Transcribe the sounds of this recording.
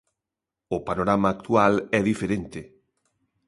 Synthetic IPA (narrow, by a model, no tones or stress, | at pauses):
ʊpanoɾamaːk̚t̪ualɛðifeɾent̪ɪ